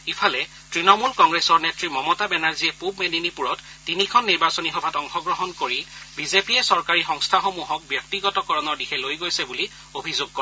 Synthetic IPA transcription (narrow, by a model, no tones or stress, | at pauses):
ipʰalɛ | tɹinɔmulkɔŋɡɹesɔɹnetɹimɔmɔtabɛnaɹziɛpubmeninipuɹɔtːinikʰɔnːiɹbasonixɔbʱatɔŋxɔɡɹɔɦɔnkoɹibizepiɛsɔɹkaɹixɔŋstʰaxomuɦɔk̚bjɔk̚tiɡɔtɔkɔɹɔnɔɹdixʰɛlojɡojsɛbuli | obʱizoɡ̚kɔ